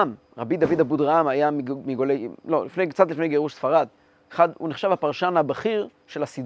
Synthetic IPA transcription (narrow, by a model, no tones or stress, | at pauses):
m | ʁabid̪avid̪abud̪ʁamajamiɡmiɡolejlo̞lḭfnejkt͡sat̪lifnejɡe̞ʁuʃsfaʁad̪ | eχad̪ṵneχʃavhapaʁʃanhabaχiʁ | ʃe̞lasid